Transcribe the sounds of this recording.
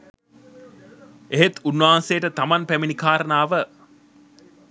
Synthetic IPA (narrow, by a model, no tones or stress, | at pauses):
eɦet̪unːʋaɦansejːʈət̪amanpæminikaːɾənaːʋə